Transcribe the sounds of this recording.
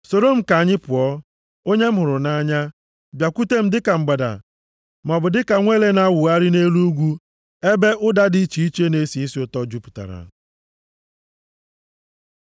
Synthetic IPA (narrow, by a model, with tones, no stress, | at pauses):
so˨do˦˨m̩˨ka˨a˨ɲɪ˦pʊ˨ɔ˦ | o˦ɲe˦m̩˦ɦʊ˨ɾʊ˨na˦ɲa˦ | bja˨ku˦te˦m̩˦dɪ˦ka˨ŋ͡m̩˨ɡ͡ba˨da̰˨ | m˨ɔ˨bʊ˨dɪ˦ka˨ŋʷe˦le˦na˦wʊ˨a˦ɾɪ˦ne˦lu˦ɡʷu˦ | e˦be˦ʔʊ˦da˦di˦t͡ʃi˨i˦t͡ʃe˦ne˦si˨i˦si˦ʊ˨tɔ˦d͡ʒu˦pu̥˨ta̰˨ɾa̰˨